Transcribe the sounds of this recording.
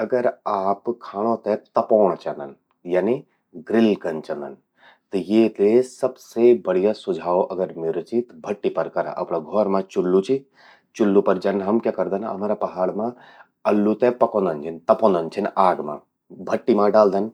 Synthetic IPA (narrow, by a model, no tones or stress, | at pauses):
ɐɡəɾaːpkʰaːɽ̃õt̪ɛt̪ɐpoːɽ̃t͡ʃand̪ən | jaːni | ɡɾɪlkɐnt͡ʃɐ̃nd̪ə̰n | t̪ɐjeːt̪esɐbsebɐɽ̤ijasʊd͡ʒʱaːoʔɐɡəɾmɪɾt͡ʃit̪bʱɐʈːipɐɾkɐɾa̰ʔɐ̰pɽaɡʱɔːɾmãt͡ʃʊlːut͡ʃi | t͡ʃʊlːupɐɾd͡ʒɐnɦɐmkjaːkɐɾd̪ənɐ̰maːɾapɐɦaːɽmã | ɐlːut̪epɐkõːnd̪ənt͡ʃʰint̪ɐpõːnd̪ənt͡ʃʰinaːɡmã̰ | bʱɐʈːimãɖaːld̪ən